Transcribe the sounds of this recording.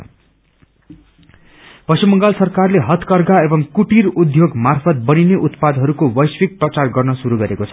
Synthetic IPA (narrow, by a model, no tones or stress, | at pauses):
pʌsumʌŋɡalsʌrkarleɦʌt̪kʌrɡaebʌŋkuʈirud̪ʱjoɡmarpʰʌt̪̚bʌnineʔut̪pad̪ɦʌɾukobʌjswik̚prʌt͡sarɡʌrnʌsuɾuɡʌɾekot͡sʰʌ̥